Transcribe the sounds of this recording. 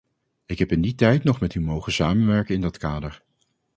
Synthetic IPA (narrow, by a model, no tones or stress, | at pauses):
ɪkɦɛpɪnditɛjtnɔχmɛtymowχənsaːmənʋɛɹkənɪndɑtkaːdəɹ